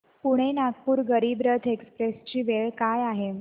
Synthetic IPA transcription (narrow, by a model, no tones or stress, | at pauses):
puɽ̃enaɡ̚puːɾɡəɾiːbɾət̪ʰekspɾest͡ɕiːʋeɭkajaɦe